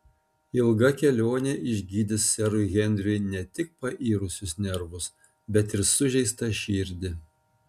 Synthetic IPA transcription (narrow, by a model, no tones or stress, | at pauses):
ɪlˠɡɐkʲɛlʲoːnʲɛʔɪʒʲɡʲiːd̪ʲɪsːʲɛɾʊɣʲɛnʲd̪ʲɾʲʊɪnʲɛt̪ʲɪk̚pɐʔiːɾʊsʲʊsnʲɛɾʋʊs | bʲɛt̪ɪɾsʊʒʲɛɪst̪ɐʃʲiːɾʲd̪ʲɪ